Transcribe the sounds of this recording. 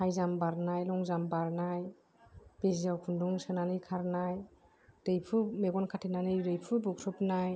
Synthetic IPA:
hajzambaɾnajlɔŋzambaɾnaj | b̥eziawkʰunduŋsɯnanɯjkʰaɾnaj | dɯjpʰɯmeɡɔnkʰatʰinanɯjɾɯjpʰɯbukʰɾɯpnaj

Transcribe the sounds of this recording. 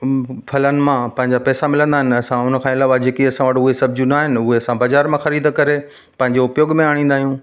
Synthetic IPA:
fʰɐlənɪ̆mãpɐ̃ɦɪ̃ɲd͡ʑapɛːsamɪlə̃nd̪aːɦɪnɪ̆ɐsãʊnəkʰãːɪlaːʋad͡ʑeːkiɐsãʋəʈʊɦesɐb̚ʱd͡ʑũnaːɦɪnɪ̆ʊɦeɐsãbaːzaːɾmãxɐɾiːd̪kɐɾe | pɐ̃ɦɪ̃ɲd͡ʑoʊpjoːɡmẽaːɽ̃ĩːnd̪aːɦijũː

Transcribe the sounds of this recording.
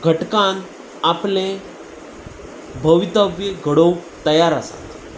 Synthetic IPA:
ɡʱəʈkãn | aplẽ | bʱəʋit̪əbjeɡʱəɽowt̪əjaɾasa̰t̪

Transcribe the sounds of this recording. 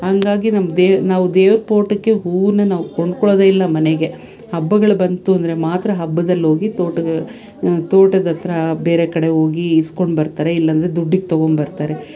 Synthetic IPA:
hɐŋɡaːɡinɐmːɐd̪eːnaːʋud̪eːʋɾpo̞ːʈɐkːe̞ɦuːnːɐnaːʋukoɳɖkɔɭoːd̪eilːɐmɐneɡe̞ | hɐbːɐɡɐɭɐbɐnt̪uɐnd̪ɐɾe̞maːt̪ɾɐɦɐbːɐd̪ɐlːo̞ːɡit̪oːʈɐ | t̪oːʈɐd̪ɐt̪ɾɐbeːɾekɐɽe̞ɦo̞ːɡiːskoɳɖbɐɾt̪aːɾe̞ilːɐːnd̪ɐɾed̪uɖːiɡt̪ɐɡo̞ɳɖbɐɾt̪aːɾe

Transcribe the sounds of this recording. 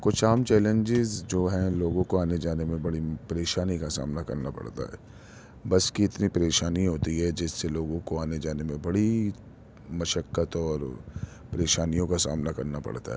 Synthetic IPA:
kʊt͡ʃʰaːmt͡ʃɛːlẽɲd͡ʒɪzd͡ʒoːɦɛ̃loːɡõkoaːned͡ʒaːnemẽbɐɽipɐɾeːʃaːnikasa̰ːmnakɐ̰ɾnapɐ̰ɽt̪a̰ɦɛ̰ː | bɐskiɪt̪nipɐɾeːʃaːniɦoːt̪iɦɛd͡ʒɪsːeloːɡõkoaːned͡ʒaːnemẽbɐɽi | mɐʃəkːət̪ɔːɾ | pɐɾeːʃaːnijõkasa̰ːmnakɐɾnapɐ̰ɽ̤t̪a̰ɦɛː

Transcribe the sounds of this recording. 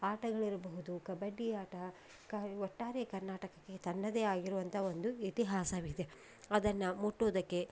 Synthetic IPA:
aːʈɐɡɐɭiɾɐbɐɦud̪ukɐbɐɖːiaːʈɐ | kɐɔʈːaːɾekɐɾnaːʈɐkɐkːe̞t̪ɐnːɐd̪eːaːɡiɾuʋɐnt̪ʰɐo̞nd̪uit̪iɦaːsɐʋid̪e̞ | ɐd̪ɐnːɐmuʈːoːd̪ɐkːe̞

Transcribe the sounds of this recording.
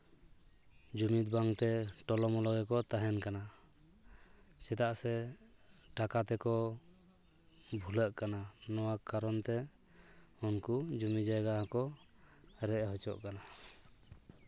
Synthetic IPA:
d͡ʒumit̪̚baŋt̪ɛʈɔlɔmɔlɔɡɛkɔt̪aɦɛnkana | t͡ʃɛt̪aʔsɛ | ʈakat̪ɛkɔ | bʱuləʔkananɔwakaɾɔnt̪ɛ | ɔnkud͡ʒumid͡ʒajɡaɦɔkɔ | ɾɛʔɦɔt͡ʃɔ̰ʔkana

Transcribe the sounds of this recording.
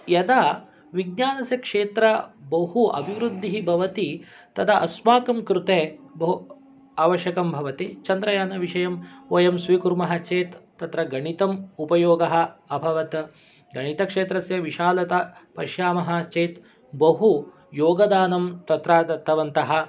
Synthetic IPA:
jɐd̪a | ʋiɡ̚ɲaːnɐsjɐkʂeːt̪ɾɐbɐɦuɐ̰bʱiʋɾud̪ʱːiɦibʱɐʋɐt̪i | t̪ɐd̪ɐʔɐsmaːkɐmkɾut̪eːbɐɦu | aːʋɐʃjɐkɐmbʱɐʋɐt̪it͡ʃɐnd̪ɾɐjaːnɐʋiʂɐjɐmoːjɐmsʋiːkuɾmɐɦɐt͡ʃeːt̪ːɐt̪ɾɐɡɐɳit̪ɐmupɐjoːɡɐɦɐ̆ːbʱɐʋɐt̪ | ɡɐɳit̪ɐkʂeːt̪ɾɐsjɐʋiʃaːlɐt̪ɐpɐʃjaːmɐɦɐ̆t͡ʃeːt̪ | bɐɦu | joːɡɐd̪aːnɐmt̪ɐt̪ɾaːd̪ɐt̪ːɐʋɐnt̪ɐɦɐ̆

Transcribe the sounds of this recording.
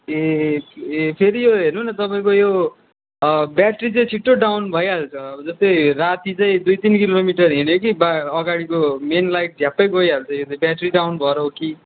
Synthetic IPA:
e | epʰeɾijoɦernunʌt̪ʌpaĩkojo | bjaʈrit͡sãj̃t͡sʰiʈːoɖawnbʱʌjalt͡sʰʌd͡zʌst̪ʌjrat̪it͡saĩd̪ujt̪inkilomiʈʌrɦinjokibaʌɡaɽikomenlajʈ̚d͡zʱjapːʌjɡojalt͡sʰʌj̃jot͡saĩbjaʈriɖawnbʱʌɾʌɦoki

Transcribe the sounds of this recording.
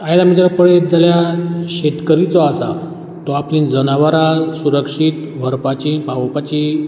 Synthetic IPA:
ajd̪amid͡ʑəɾpəɭed͡zaljaɕet̪kəɾit͡sɔasa | t̪ɔaplĩd͡zənaʋəɾasuɾəkʂit̪ʋʱəɾpat͡ɕipaʋəpat͡ɕi

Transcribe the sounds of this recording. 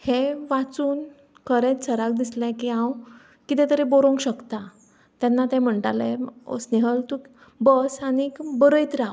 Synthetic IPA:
hẽʋat͡suːn | kʰəɾɛ̃t͡sʰəɾakd̪islɛ̃kiãw | kit̪ɛ̃t̪əɾeboɾõŋkɕəkt̪a | t̪janːat̪ɛ̃m̤əɳʈalẽo̰sneɦəlt̪u | bəsanikbəɾəjt̪ɾa

